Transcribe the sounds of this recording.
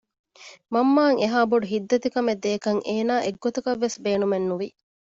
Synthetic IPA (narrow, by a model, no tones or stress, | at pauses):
mɐmːaːŋeɦaːboɖuɦid̪ːɐt̪ikɐmed̪eːkɐŋʔeːnaːʔeɡːot̪ɐkɐʋːesbeːnumenːuʋi